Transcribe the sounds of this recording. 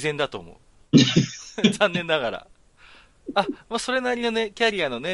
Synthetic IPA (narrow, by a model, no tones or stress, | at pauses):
izẽ̞nd̪at̪o̞ːmo̰ɯ | zãnːẽ̞nːaɣaɾa̰ | amaːso̞ɾe̞naɾʲino̞ne̞kʲaɾʲiano̞ne̞